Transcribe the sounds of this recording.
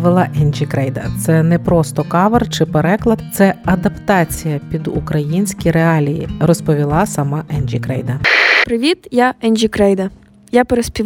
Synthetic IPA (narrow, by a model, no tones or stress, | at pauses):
ʋɪlˠɐʔɛnʲd͡ʒʲikɾɛjd̪ɐt̪sɛnɛpɾɔst̪ɔkɑʋɐrt͡ʃɪpeɾɛklˠɐd̪t̪sɛɐd̪ɐpt̪ɑt͡sʲijɐpʲid̪ukɾɐjinʲsʲkʲijɾeɑlʲijḭrɔspɔʋʲilˠɑsɐmɑʔɛnʲʒʲikɾɛjd̪ɐpɾɪʋʲit̪jaɛnʲʒʲikɾɛjd̪ɐ | japeɾespʲi